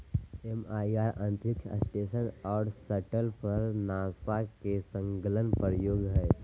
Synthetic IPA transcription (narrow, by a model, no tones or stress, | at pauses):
emaːiaːɾə̃nt̪ɾɪkt͡ʃʰə̰sʈeːsənɔːɾsəʈəlpʰəɾnaːsakesə̃ŋɡələnpəɾəjoːɡɦɛː